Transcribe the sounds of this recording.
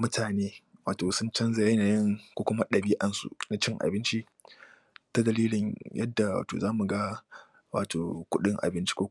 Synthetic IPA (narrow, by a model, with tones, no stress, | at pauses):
mʊ˦tʰaː˨neː˦waː˨toː˨sʊ˦nt͡ʃɐ˦nza˨jɐ˦naː˨jɪ˦ŋkʷoː˦kʷʊ˦ma˦ɗɐ˨biː˦ʔa˨nsṵ˦na˦t͡ʃɪ˦ŋʔa̰˨bɪ˦nt͡ʃi˦ | ta˦dɐ˨liː˦lɪ˨ɲjʔɐ̰˦dːa˨wa̰ː˨to̰ː˨zaː˦mu˨ɡa˦ | waː˨tʰoː˨kʷʊ˦ɗɪ˦ŋʔa̰˨bɪ˦nt͡ʃi̥˦kʷoː˦